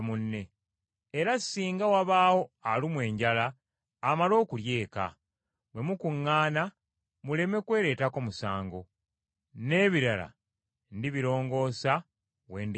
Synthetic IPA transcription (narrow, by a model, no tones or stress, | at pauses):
munːe̞ː | ɾasːiːŋɡawaβaːwo̞alimwe̞ːɲɟalaː | malo̞ːkulje̞ːka̰ | βwe̞mukuŋːaːna | mule̞me̞kwe̞ːɾe̞ːtako̞musaːŋɡo̞ | ne̞ːβiɾala̰ | ndiβiɾo̞ːŋɡo̞ːsa | we̞ːnd